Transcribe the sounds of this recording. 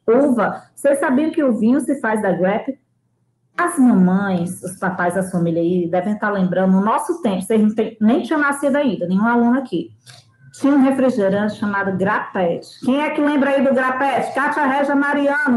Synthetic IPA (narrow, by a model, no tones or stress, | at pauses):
uvɐ | sessabiɐ̃kɪʊvĩɲʊsɪfajzd̪ɐɡwɛpɪ | ɐzmɐ̃mɐ̃j̃sʊspapajzd̪ɐsfɐ̃miʎɐid̪ɛvẽj̃t̪aɾlẽmbɾɐ̃nd̪ʊʊnɔsʊt̪ẽpʊsejznɐ̃w̃t̪ẽj̃nẽj̃t͡ʃĩɲɐ̃w̃nasid̪ʊaĩnd̪ɐnẽj̃ũalũnʊaki | t͡ʃĩɲɐ̃ũɦefɾiʒeɾɐ̃t͡ʃɪʃɐmad̪ʊɡɾapɛt͡ʃɪ̥kẽj̃ɛkɪlẽmbɾaid̪ʊɡɾapɛt͡ʃɪ̥kaʃaɦɛʒɐmaɾiɐ̃nʊ